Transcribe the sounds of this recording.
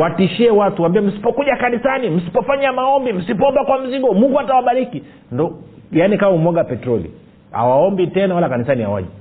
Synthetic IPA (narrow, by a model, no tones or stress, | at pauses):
watiʃiɛwatuwaːmbiwɛm̩si̥pɔkuʄakanisanim̩si̥pɔfaɲamaɔmbim̩sipɔɔmbakwam̩ziɡɔmuŋɡuatawaɓaɾiki | ndɔjanikawumɔɡapɛtɾɔlḭ | a̰waɔmbitɛnawalakanisania̰wa̰ʄɛ